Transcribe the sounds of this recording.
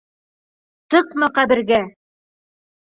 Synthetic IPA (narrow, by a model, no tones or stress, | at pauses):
t̪ɤqmɑqæbɘ̆ɾɡæ